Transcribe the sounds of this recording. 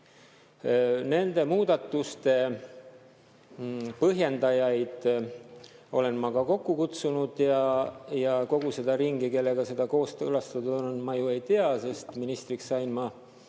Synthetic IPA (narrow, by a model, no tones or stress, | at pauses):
ne̞nd̪e̞muːd̪̥ɑt̪ːˑust̪e̞ | pɤɦje̞nd̪ɑjɑjd̪̥ | o̞̰le̞nmɑkɑko̞kːukut̪sunud̪̥jɑjɑko̞ɡ̥use̞d̪̥ɑɾiŋɡ̥ike̞lːe̞ɡ̥ɑse̞d̪̥ɑko̞ːst̪ɤlɑst̪ɑd̪onnmɑjue̞jt̪eɑse̞st̪minist̪riksːɑjnmɑ